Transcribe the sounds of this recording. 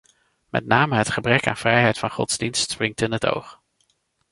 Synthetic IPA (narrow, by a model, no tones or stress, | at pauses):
mɛ̰tnaːməɦətχəbrɛka̰ːnv̥rɛjɦɛjtfɑnχɔ̰tzdinstsprɪŋtɪnɦəto̰wχ